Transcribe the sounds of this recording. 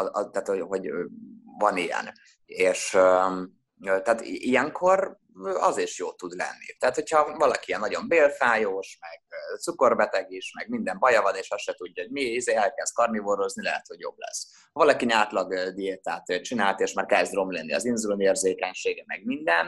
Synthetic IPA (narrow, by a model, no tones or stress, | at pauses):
ɒt̪aːt̪hoɦo̞ɟ | vɒnijɛ̰n | eːʃø | øt̪ɛːt̪ʔijɛŋkʰo̞r | ɒ̰ziʃjoːt̪ud̪lɛ̰nːḭt̪ɛɦat̪ho̞chɒvɒlɒkiiɛnːɒɟo̞mbeːlfaːjoːʃmɛɡ̥̚t̪suko̞rbɛt̪ɛɡiʃmɛɡmind̪ɛmbɒjɒvɒneːʃɒsʃɛt̪uɟːɒɦoɟmiizeːɛlkɛz̥s̚kɒrnivoɾo̞znilɛɦɛt̪ho̞ɟjo̞̰blɛ̰sː | hɒvɒlɒkiɲaːt̪lɒɡd̪ieːt̪aːt̪ːt͡ʃinaːlt̪eːʃmaːrkɛzd̪ro̞mlenːḭɒ̰zinzuloneːrzeːkɛɲʃeːɡɛmɛɡmind̪ɛn